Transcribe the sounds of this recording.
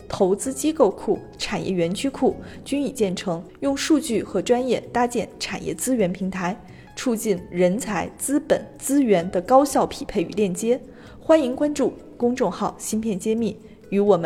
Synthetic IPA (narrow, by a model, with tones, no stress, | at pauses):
t̪ʰo˧˥ʊt͡sɹ̩˥t͡ɕi˥ko˥˧ʊkʰu˥˩ | ʈ͡ʂʰa˨˩njʔɛ̰˥˩ɥɛ˧˥nt͡ɕʰy˥kʰu˥˩t͡ɕy˥ni˨˩t͡ɕjɛ˥˩nʈ͡ʂʰɤ˧˥ŋ | jʊ˥˧ŋʂu˥˧t͡ɕy˥˩xɤ˧˥ʈ͡ʂwa˥njɛ˥˩t̪a˥t͡ɕjɛ˥˩nʈ͡ʂʰa˨˩njɛ̰˥˩t͡sɹ̩˥ɥɛ˧˥npʰi˧˥ŋt̪ʰa˧˥ɪ | ʈ͡ʂʰu˥˧t͡ɕi˥˩nɻə˧˥nt͡sʰa˧˥ɪt͡sɹ̩˥pə̰˨˩˦nt͡sɹ̩˥ɥɛ˧˥nd̪ə˧kɑ˥ʊɕjɑ˥˩ʊpʰi˨˩pʰe˥˩ɪy̰˨˩ljɛ˥˩nt͡ɕjɛ˥ | xwa˥ni˧˥ŋkwa˥nʈ͡ʂu˥˩ | kʊ˥ŋʈ͡ʂʊ˥˧ŋxɑ˥˩ʊɕi˥npʰjɛ˥˩nt͡ɕjɛ˥mi˥˩ | y˧˥wɔ˨˩mə˦